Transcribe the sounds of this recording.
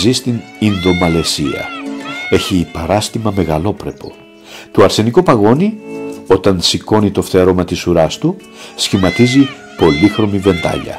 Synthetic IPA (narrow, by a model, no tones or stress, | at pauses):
zist̪ininðo̞mɐle̞siɐ̰e̞çipɐɾɐst̪imɐme̞ɣɐlo̞pɾe̞po̞̰ | t̪oɐɾse̞niko̞pɐɣo̞nio̞t̪ɐnsiko̞nit̪o̞ft̪e̞ɾo̞mɐt̪isuɾɐst̪u | sçimɐt̪izi | po̞lixɾo̞mive̞nd̪ɐ̰ʎɐ̰